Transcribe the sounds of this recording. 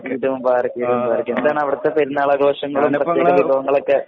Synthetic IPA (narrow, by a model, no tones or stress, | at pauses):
iːɾɐumbaːrɐkʲːiɾɐʋumbaːɾɐkʲːumend̪aːɳɐʋiɽɐt̪ːepeɾunːɐːɭɐɡo̞ːʂɐŋːɐɭumrɐt̪ːeːʋkɐʋibʱɐʋɐŋːɐɭokːe